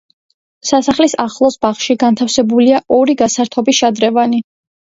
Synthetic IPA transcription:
sasaχlisaχlˠɔsbaχʃiɡant̪ʰafsɛbuliaʔɔɾiɡasaɾt̪ʰɔbiʃad̪ɾɛvani

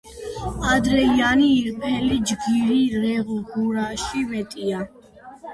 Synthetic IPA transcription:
ad̪ɾɛianiːɾpʼɛlid͡ʒɡiɾiɾɛʁuɡuɾaʃimɛt̪ʼia

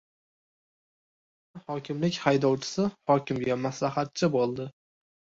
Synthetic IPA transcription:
hɒkʲʰɪmlɪkʲhajd̪ɒwt͡ʃʰɪ̥sɪhɒkʲɪmɡʲamaslahat̪̚t͡ʃʰɪbolˠd̪ɪ

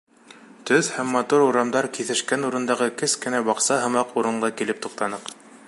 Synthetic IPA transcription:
t̪ɵθhæmːɑt̪uɾuɾɑmd̪ɑɾkiθɘ̆ʃkænuɾɤ̆nd̪ɑʁɤkɘskɘ̆næbɑqsɑɦɤ̆mɑquɾɤ̆ɴɢɤkilɘp̚t̪uq̚t̪ɑnɤq

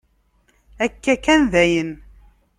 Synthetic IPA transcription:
ækːækːænðæjən

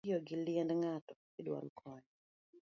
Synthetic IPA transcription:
iɔɡɪliɛndŋatɔ | idwa̰lkʰɔɲ

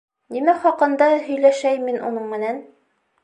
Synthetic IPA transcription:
nimæχɒqɤ̆nd̪ɑɦɵ̆jlæʃæjminʔṵnɤɴmɘ̆næn

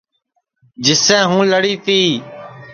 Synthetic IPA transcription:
d͡ʒɪsɛ̃ːɦũːləɽiːt̪iː

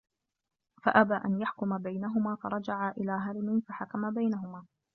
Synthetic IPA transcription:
faʔabaːʔa̰njaħkʊmabajnaɦʊmaːfɑɾˤɑd͡ʒaʕaʔɪlaːɦaɾɪmɪnfaħakamabajnaɦʊmaː

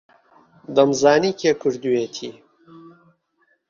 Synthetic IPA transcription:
d̪ɐmzaːniːkʰekʰɨɾd̪ujet̪ʰiː

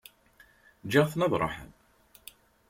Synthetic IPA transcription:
d͡ʒaʁθnɑðˤɾˤɑ̰ħə̰n

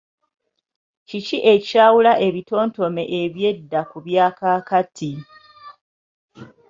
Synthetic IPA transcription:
ciciʔe̞caːwulaʔe̞βito̞ːnto̞me̞ʔeβje̞dːakuβjaːkaːkatʰi

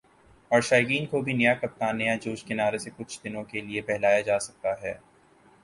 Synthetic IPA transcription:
ɔːɾʃaːjɡiːnkobʱinɐjakɐp̚t̪aːnːɐjad͡ʒoːʃkɪnaːɾesekʊt͡ʃʰd̪ɪnõkeliepɛɦlaːjad͡ʒaːsɐk̚t̪aɦɛː

